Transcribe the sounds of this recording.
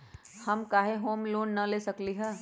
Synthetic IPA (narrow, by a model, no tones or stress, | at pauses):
hɐmkaːɦeɦoːmloːnːɐleːsɐkliɦɛː